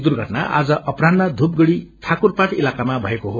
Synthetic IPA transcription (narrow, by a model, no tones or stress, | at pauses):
d̪urɡʱʌʈna̰ʔa̰d͡zʌʔʌprannad̪ʱup̚ɡʌɽiʈʰakurpaʈilakamabʱʌekoɦo